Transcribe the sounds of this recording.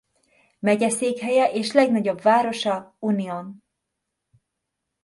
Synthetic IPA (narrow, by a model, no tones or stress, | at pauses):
mɛɟɛseːkɦɛjɛʔeːʃlɛɡnɒɟo̞bvaːɾo̞ʃɒunion